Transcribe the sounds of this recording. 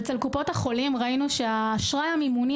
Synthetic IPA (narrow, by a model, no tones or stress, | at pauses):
et͡selkupo̞thaχo̞limʁainuʃeaːʃʁajamimuni